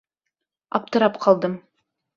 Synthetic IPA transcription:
ɑ̰p̚t̪əɾɑpqʰɑlˠd̪əm

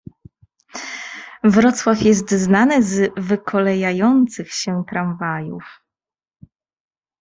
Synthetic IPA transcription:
vɾɔt̪swafjɛs̬t̪znanɘzvɘkʰɔlɛjajɔnt̪sɘxɕɛt̪ɾaɱvajṵf

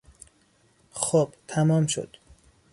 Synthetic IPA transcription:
xob̥t̪ʰæmɒːmʃo̰d̪̥

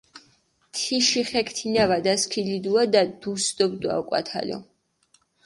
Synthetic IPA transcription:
t̪ʰiʃiχɛkʰt̪ʰinavad̪askʰilid̪uad̪ad̪usd̪ɔbd̪ua̰ukʼa̰t̪ʰa̰lɔ̰

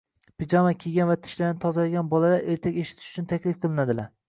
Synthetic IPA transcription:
pʰɪd͡ʒamakʲʰeɡʲanvat̪ʰɪ̥ʃlaɾnɪt̪ʰɒzalaɡʲanbɒlˠalaɾʔe̞ɾt̪ʰakʲeʃɪ̥t̪ʰɪ̥ʃʊ̥t͡ʃʰʊnt̪ʰakʲlɪfqʰɨlˠɪnad̪ɪlaɾ

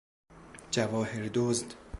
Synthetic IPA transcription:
d͡ʒævɒːheɾd̪ozd̪

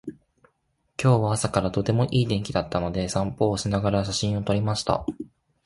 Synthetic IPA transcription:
kʲo̞ːβaasakaɾat̪o̞t̪e̞mo̞ʔiːd̪ẽ̞ŋkʲid̪at̪ʰːano̞d̪e̞sãmpo̞ːsɨnaɡaɾaɕaɕĩɰ̃o̞t̪o̞ɾʲimaɕi̥t̪a̰

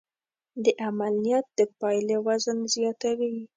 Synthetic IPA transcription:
d̪əʔamalijɑt̪̚d̪əpɑjlewazənzjɑt̪awi

